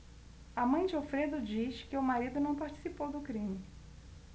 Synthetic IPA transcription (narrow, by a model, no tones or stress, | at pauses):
ɐmɐ̃j̃d͡ʒɪofɾed̪ʊd͡ʒiskɪʊmaɾid̪ʊnɐ̃w̃paɾt͡ʃi̥sipowd̪ʊkɾĩmɪ